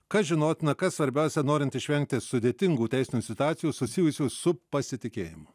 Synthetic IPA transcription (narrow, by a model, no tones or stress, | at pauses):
kɐʒʲɪnoːt̪ʲɪnɐkɐssʋɐɾʲbʲæˑʊsʲɛnoːɾʲɪnt̪ɪʃʲʋʲɛŋʲk̚t̪ʲɪsʊd̪ʲeːt̪ʲɪŋɡuːt̪ʲæˑɪsʲɪnʲuːsʲɪt̪ʊɑːt̪sʲɪjuːsʊsʲɪjʊsʲuːsʊpɐsʲɪt̪ʲɪkʲeːjɪ̰mʊ